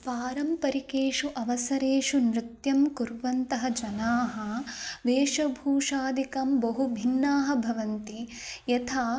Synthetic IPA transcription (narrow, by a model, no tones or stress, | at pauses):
paːɾɐmpɐɾikeːʂuʔɐʋɐsɐɾeːʂunɾɪt̪jɐmkuɾʋɐnt̪ɐɦɐd͡ʒɐnaːɦɐʋeːʂɐbʱuːʃaːd̪ikɐmbɐɦubʱinːaːɦɐ̆bʱɐʋɐnt̪ijɐt̪ʰaː